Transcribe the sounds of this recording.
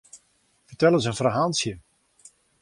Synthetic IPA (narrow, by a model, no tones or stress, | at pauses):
fətɛlˠənsənfraɦalˠsjə